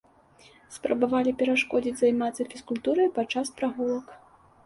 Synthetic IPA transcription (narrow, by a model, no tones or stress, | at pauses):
spɾɐbavalʲipʲɛɾaʂkɔd͡zʲid͡zʲzajmat̪sɐfʲiskulʲt̪uɾɐjpat͡ʂaspɾaɣulˠɐk